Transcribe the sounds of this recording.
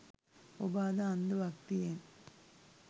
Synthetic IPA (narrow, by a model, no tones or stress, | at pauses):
obaːd̪aːnd̪uʋɐkt̪ijen